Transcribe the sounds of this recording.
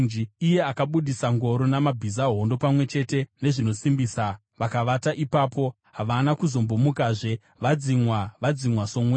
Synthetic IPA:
nd͡ʒiije̞akaɓuɗisaŋɡo̞ɾo̞namabʱizaɦo̞ndo̞pamwe̞t͡ʃe̞te̞ne̞ʐino̞simbiːsa | ʋakaʋataʔipaːpo̞ | ɦaʋanakuzo̞mbomukaːʐe̞ | ʋad͡zimwaʋad͡zimwaso̞mwe

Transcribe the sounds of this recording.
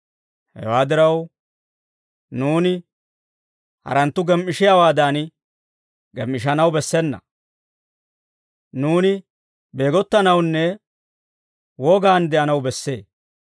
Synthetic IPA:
hɛ̰waːd̪ɪɾɐw | nuːnɪ | hɐ̰ɾɐnt̪ːʊɡɛmʔɪʃɪjawaːd̪an | ɡɛmʔɪʃ̬ɐnɐwbɛsːɛnːɐ̰ | nuːnɪ | be̞ːɡɔt̪ːɐnɐwnːɛ | wɔːɡaːnd̪ɛʔɐnɐwbɛsːe̞̰ː

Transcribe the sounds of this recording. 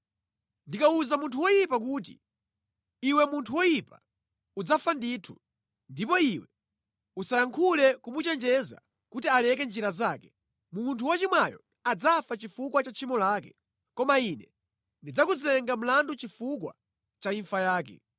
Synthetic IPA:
ndikauzamuntʰuwɔjipak̬uːt̬ḭ | iwɛmuntʰuwɔjipa̰ | ud͡zafanditʰu | ndipɔiwɛ | usajaŋkʰulɛkumut͡ʃɛnd͡ʒɛza̰ | kutialɛk̬ɛnd͡ʒiɾazaːkɛ̥ | muntʰuwat͡ʃimwajɔ̰ | ad͡zafat͡ʃifukwat͡ʃat͡ʃʰimɔlaːkɛ̥ | kɔmainɛ | ndid͡zakuzɛŋɡam̩landut͡ʃifukwa̰ | t͡ʃaiɱfajaːk̬ɛ̰

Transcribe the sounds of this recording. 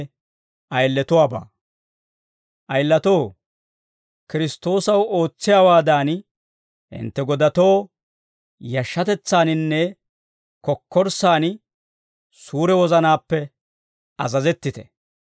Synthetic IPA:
ʔɐjlːɛt̪ʊwaːba̰ː | ʔɐjlːɐt̪o̞ː | kɪɾɪst̪o̞ːsɐwo̞ːt͡sːɪjaːwaːd̪aːn | hɪ̰nt̪ːɛɡɔd̪ɐt̪o̞ː | jɐʃːɐt̪ɛt͡sːaːnɪnːɛ | kɔkʰːɔɾsaːn | suːɾɛwɔzɐnaːpːɛ | ɐzɐzɛt̪ːɪt̪ɛ̥

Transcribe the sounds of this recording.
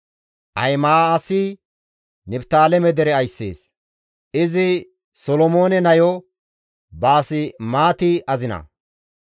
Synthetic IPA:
ʔɐ̰jmaːsɪ | nɪpt̪aːlɛmɛd̪ɛɾɛɐjsːḛːs | ɪzɪ | sɔlɔmo̞ːnɛnɐjɔ | baːsɪmaːt̪ɪʔɐzɪnɐ̰

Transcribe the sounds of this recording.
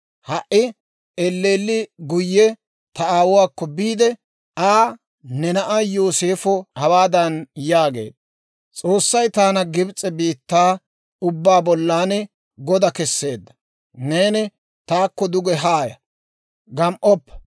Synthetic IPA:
hɐʔɪ | ɛlːeːlːɪɡʊjːɛ | t̪ɐaːwʊwaːkːɔbiːd̪ɛ | aː | nɛnɐʔajo̞ːse̞ːfɔhɐwaːd̪ɐnjaːɡe̞̰ːd̪ɐ | t͡sʼo̞ːsːɐjt̪aːnɐɡɪbt͡sʼːɛbiːt̪ːaː | ʊbːaːbɔlːaːnɛ | ɡɔd̪ɐkɛsːe̞ːd̪ːɐ̥ | neːnɪ | t̪aːkːɔd̪ʊɡɛɦaːjɐ̰ | ɡɐmʔɔpːɛ̥

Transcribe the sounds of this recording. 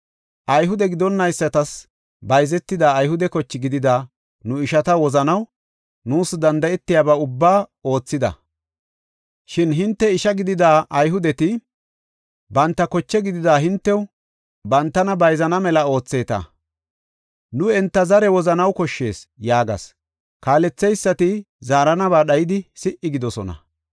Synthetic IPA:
ʔɐjɦʊd̪ɛɡɪd̪ɔnːɐjsːɐt̪ɐs | bɐjzɛt̪ːɪd̪aːjɦʊd̪ɛkɔt͡ʃːɪɡɪd̪ɪd̪aː | nʊɪʃɐt̪ɐwɔzɐnɐw | nuːsd̪ɐnd̪ɐɛt̪ːɪjaːbɐʊbːaːo̞ːt͡sːɪd̪ɐ̰ | ʃɪnɦɪnt̪ːɛɪʃɐɡɪd̪ɪd̪aːʔɐjɦʊd̪ɛt̪ɪ | bɐnt̪ːɐkɔt͡ʃːɛɡɪd̪ɪd̪aːɦɪnt̪ːɛw | bɐnt̪ːɐnɐbɐjzɐnɐmɛlɐo̞ːt͡sːe̞ːt̪ɐ̰ | nʊɛnt̪ːɐzɐɾɛwɔzɐnɐwkɔʃːe̞ːsjaːɡɐ̰s | kaːlɛt͡sːɛjsːɐt̪ɪ | zaːɾɐnɐβaːɗɐjɪd̪ɪsɪʔɪɡɪd̪ɔsɔnɐ̰

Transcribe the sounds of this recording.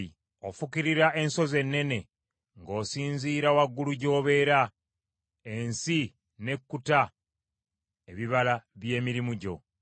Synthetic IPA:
i | ofukiɾiɾaʔe̞nso̞ze̞nːe̞ne̞ | ŋɡo̞ːsiːnziːɾawaɡːuluɟo̞ːβe̞ːɾa | e̞nsi | ne̞kːuta | eβiβalaβje̞ːmiɾimuɟo̞̰

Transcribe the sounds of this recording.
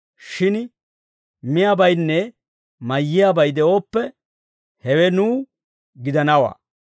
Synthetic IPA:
ʃɪn | mɪjabɐjnːɛ | mɐjːɪjabɐjd̪ɛo̞ːpːɛ | hɛwɛnuː | ɡɪd̪ɐnɐwɐ̰

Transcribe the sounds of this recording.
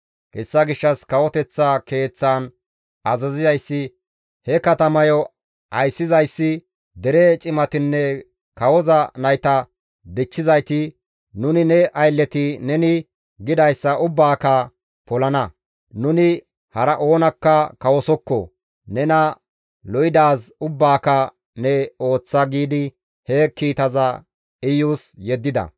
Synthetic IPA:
kɛsːɐɡɪʃːɐskɐwɔt̪ɛt͡sːake̞ːt͡sːan | ɐzɐzɪzɐjsːɪ | hɛkɐt̪ɐmɐjɔ | ʔɐjsːɪzɐjsːɪ | d̪ɛɾɛt͡ʃʼɪmɐt̪ɪnːɛ | kɐwɔzɐnɐjt̪ɐ | d̪ɪt͡ʃːɪzɐjt̪ɪ | nʊnɪnɛʔɐjlːɛt̪ɪnɛnɪ | ɡɪd̪ɐjsːɐʔʊbːaːkɐ | pɔlɐnɐ | nʊnɪ | hɐɾɐʔo̞ːnɐkːɐkɐwɔsɔkːɔ̰ | nɛnɐ | lɔjɪd̪aːsʊbːaːkɐ | nɛo̞ːt͡sːɐɡiːd̪ɪ | hɛkːiːt̪ɐzɐ | ɪjuːsjɛd̪ːɪd̪ɐ̰

